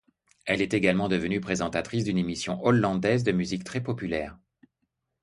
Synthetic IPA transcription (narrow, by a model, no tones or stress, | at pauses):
ɛlɛt̪eɡalmɑ̃d̪əvənypχezɑ̃t̪at̪χisd̪ynemisjɔ̰̃ʔɔlːɑ̃d̪ɛzd̪əmyzikt̪χɛpɔpylɛːʁ